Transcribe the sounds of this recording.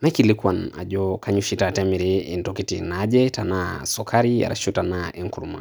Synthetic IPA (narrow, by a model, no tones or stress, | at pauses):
majkilikwana̰ʄɔkaɲuʃitatɛmiɾiḭntɔkitinaʄɛtanasɔkʰaɾia̰ɾa̰ʃutanaʔɛŋkuɾuma̰